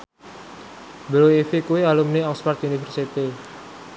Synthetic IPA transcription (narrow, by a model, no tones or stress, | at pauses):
bəloifikuwialumniɔkspart̪unifərsit̪i